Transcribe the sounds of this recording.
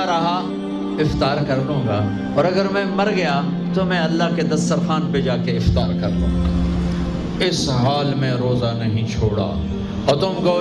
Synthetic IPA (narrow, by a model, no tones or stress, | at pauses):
ɾɐɦa | ɪft̪aːɾkɐɾlũːɡaː | ɔːɾɐɡəɾmɛ̃mɐɾɡɐja | t̪omɛ̃ɐlːaked̪ɐst̪əɾxaːnped͡ʒaːkeɪft̪aːɾkɐɾlṵ̃ːɡaː | ɪsɦaːlmẽɾoːzanɐɦĩt͡ʃʰoːɽa̰ː | ɔːɾt̪ʊmɡoː